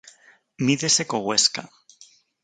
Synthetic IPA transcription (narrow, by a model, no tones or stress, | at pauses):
miðesekoɣweska̰